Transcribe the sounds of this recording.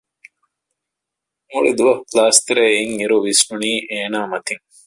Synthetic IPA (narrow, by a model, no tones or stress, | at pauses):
muɭid̪uʋɐklaːst̪ɐɾeiŋiɾuʋisnuniːʔeːnaːmɐt̪iŋ